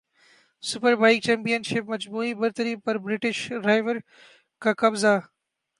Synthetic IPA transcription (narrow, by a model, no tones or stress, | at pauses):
sʊpəɾbaːɪk̚t͡ɕɛ̃ːmpijənʃɪpmɐd͡ʒbuːibɐɾt̪əɾiːpɐɾbɾɪʈɪʃɖɾaːɪʋəɾ | kaːkɐbza